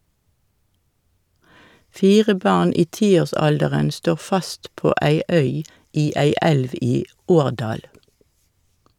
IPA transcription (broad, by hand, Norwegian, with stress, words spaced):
ˈfiːʁə ˈbɑʁn ˈiː ˈtiːoːʁˌsɑldəʁən ˈstoːʁ ˈfɑst ˈpoː ˈæɪ ˈœʏ ˈiː ˈæɪ ˈɛlʋ ˈiː ˈoːʁˌdɑːl